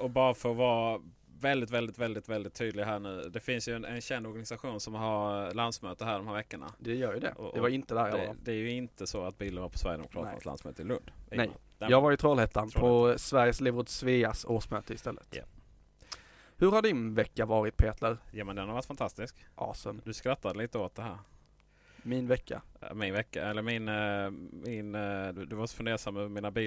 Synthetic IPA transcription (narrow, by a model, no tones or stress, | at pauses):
ɔbɑːɾafəvɑː | vɛld̪ɪt̪vɛld̪ɪt̪vɛld̪ɪt̪vɛld̪ɪt̪ʰːyːd̪lɪɡɦæːɳʉ̟ːd̪ɛfɪnsjɵɛnɛnɕɛnd̪ɔɾɡanɪsaɧuːnsɔmɦaɾland̪smøːt̪əɾɦæːɾɖɔmhæːɾvɛkːəɳa̰d̪ɛjœːɾjɵd̪ɛ̰ɛvaɾɪnt̪əd̪æːɾɛlːəd̪ɛæɾjɵɪnt̪əsɔat̪̚biːləɾvɑːɾpʰɔ̥svæɾjə̰d̪ɛ̰mʊkʰɾɑ̰t̪a̰sla̰nsmø̰ːt̪əɾɪlɵnd̪nɛ | jɑːɡvaɾɪt̪ʰɾɔːlheːt̪ʰːanpʰɔsvæɾjəslɪvɾʊd̪sveːasoːʂmœːt̪əɪst̪ɛlːə̰t̪ | hɵɾhaɖɪnvɛkːavɑːɾɪt̪̚pʰeːt̪ʰləɾjamɛnd̪ɛnhaɾvaɾt̪fant̪ʰast̪ɪskʔɑ̰ːsənd̪ɵskɾat̪ːad̪əliːt̪əoːt̪̚d̪ɛhæːɾ | mɪnvɛkːa̰mɪnvɛkːa̰ɛlːəɾmɪn | mɪnd̪d̪ɵvaɾsɔ̥fɵnd̪eːɾʂamːœmiːnabiː